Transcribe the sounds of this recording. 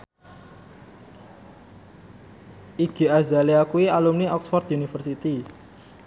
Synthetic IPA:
ʔiɡ̥e̤azaliakuialumniɔksfɔrt̪iunifərsit̪i

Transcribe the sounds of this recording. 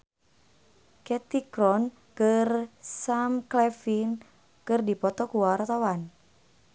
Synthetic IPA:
kɛt̪ikɾɔn | kərsamklɛfin | kɨrdipɔt̪ɔkuwart̪awan

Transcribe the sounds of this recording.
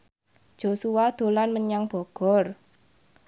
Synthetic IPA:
d̥ʒ̥osuwad̪̥o̤lanməɲaŋb̥ɔ̤ɡ̥ɔ̤r

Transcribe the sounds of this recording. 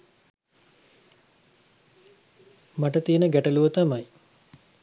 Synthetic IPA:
maʈət̪iənəɡæʈəluʋət̪amaj

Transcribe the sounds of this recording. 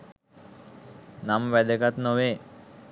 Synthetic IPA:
namʋɛd̪əkat̪noʋeː

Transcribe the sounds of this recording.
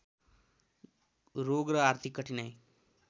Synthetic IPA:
ɾoɡɾəaɾt̪ʰikːəʈʰinaj

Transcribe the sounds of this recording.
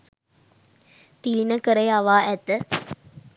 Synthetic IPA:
t̪ilinəkəɾejɐʋaːʔɛt̪ə

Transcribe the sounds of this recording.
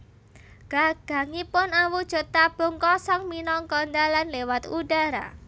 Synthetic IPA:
ɡ̥aɡ̥a̤ŋipʊnawud̥ʒ̥ɔ̤t̪ab̥ɔ̤ŋkɔsɔŋminɔŋkɔnd̪alanlewat̪ṵdaɾa̰

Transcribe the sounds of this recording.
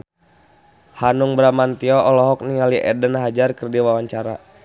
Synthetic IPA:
hanuŋbɾamant̪iɔʔɔlɔɦɔk̚niŋaliʔɛ̰dənɦad͡ʒarkərdiwawaɲt͡ʃaɾa̰

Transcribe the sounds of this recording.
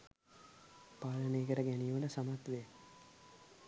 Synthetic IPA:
paːləneːkəɾəɡænijʋənəsamat̪ʋe

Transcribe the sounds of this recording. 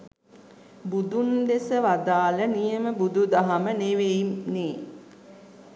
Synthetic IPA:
bud̪und̪esəʋad̪aːlənijəməbud̪ud̪aɦaməneʋeimneː

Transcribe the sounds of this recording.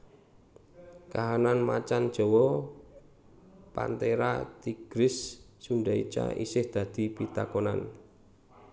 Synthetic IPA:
kaɦananmat͡ʃand̥ʒ̥ɔ̤wɔ | pa̰nt̪eɾa̰t̪iɡ̥ɾɪsː | unɖait͡ʃa̰ʔisɪhd̪̥ä̤d̪̥i̤pit̪akɔna̰n

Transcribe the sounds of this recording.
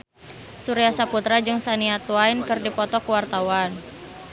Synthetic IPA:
suɾiasaput̪ɾad͡ʒɨŋsaniat̪uainkɨrdipɔt̪ɔkuwart̪awan

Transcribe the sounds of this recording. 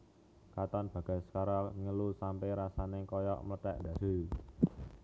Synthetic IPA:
kat̪ɔnb̥ä̤ɡ̥a̤sə̥kaɾaŋəlusampeɾasanɪkɔjɔ̰ʔmlət̪ɛʔnd̪ä̤d̪̥o̤j

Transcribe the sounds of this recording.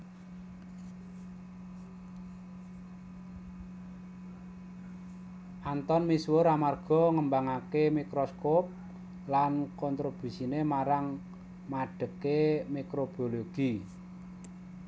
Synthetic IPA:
ʔant̪ɔnmiswoɾamarɡ̥ɔ̤ŋəmbaŋakemikɾoskop̚ | lankɔnt̪ɾob̥i̤sinemaɾaŋ | maɖ̥ə̤kemekɾob̥oloɡ̥i

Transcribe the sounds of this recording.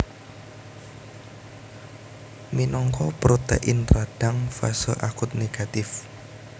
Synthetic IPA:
minɔŋkɔpɾot̪ḛʔɪnraɖ̥aŋfa̰sɔʔakʊt̪̚neɡ̥at̪ɪf

